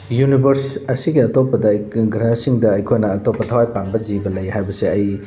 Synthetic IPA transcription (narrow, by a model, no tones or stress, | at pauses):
junibʱɐɾsɐsiɡiɐtopːɐdɐɡɾɐsiŋdɐːjkʰojnɐːtopːɐtʰɐwajpanbɐd͡ʒibɐlɐjhajbɐseɐj